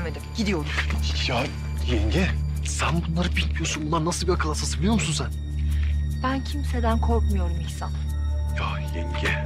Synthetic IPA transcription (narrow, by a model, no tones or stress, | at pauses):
med̪imɟid̪ijo̞lˠuɾja | jɛɲɟɛ | sænbunlˠaɾɯbilʲmijosunbund̪aɾnasɯlˠbilakʰalˠasasɯijo̞ɾmusunsæn | b̥æncʰimsed̪ænkʰoɾkmujo̞ɾumiçsan | ja | jɛɲɟɛ